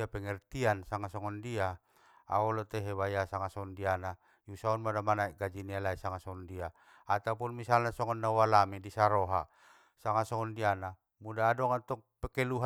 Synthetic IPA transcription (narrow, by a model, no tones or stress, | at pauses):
apɛŋɛrt̪iansaŋasɔŋɔndia | a̰ɔlɔt̪ɛɦewajasaŋasɔndiana | jusaɔnmadamanaiɡad͡ʒinialaisaŋasɔndia | at̪apunmisalnasɔŋɔnːawalamidisaɾɔɦa̰ | saŋasɔŋɔndiana | mudaːdɔŋat̪ɔkpɛkɛluɦa